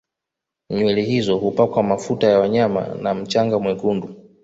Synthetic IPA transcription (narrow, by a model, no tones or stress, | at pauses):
ɲuɛlihizɔhupakwamafutajawaɲama̰nam̩t͡ʃaŋɡamwɛɡundu